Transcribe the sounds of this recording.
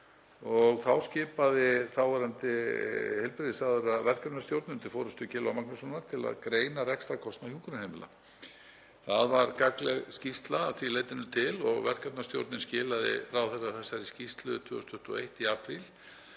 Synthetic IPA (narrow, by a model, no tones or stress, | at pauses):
ɔɣθawscɪːpaðɪθawvaɾant̪ɪhɛlpɾɪðɪsaɣðʏɾaðvɛr̥kapnast̪jowɾt̪nɪnt̪ɪfɔːɾʏst̪ʏcɪːlawmaknʏsɔnaɾt̪ʰɪla̰ðkɾeːjnarɛkst̪ɾakʰɔst̪nawhjuŋkʏnahejmɪla̰ | θaðvaɾkaklɛɣscifst̪laθvileːjt̪ɪnʏt̪ʰɪlɔɣvɛr̥kapnast̪jo̰wɾt̪nɪnscɪːlaðɪ̰rawθɛrːaθɛsːaɛɾiscift̪lʏt̪ʰʏːɔst̪ʏht̪ɔ̰ejht̪iaːpɾil